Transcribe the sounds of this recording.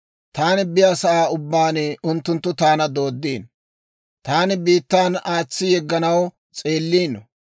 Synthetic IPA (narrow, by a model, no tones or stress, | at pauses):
t̪aːnɪbɪjaːsɐʔaːʊbːaːnɪʊnt̪ːʊnt̪ːʊt̪aːnɐd̪o̞ːd̪ːiːn | t̪aːnɪbiːt̪ːaːnaːt͡sːɪjɛɡːɐnɐw | t͡sʼe̞ːlːiːnːɔ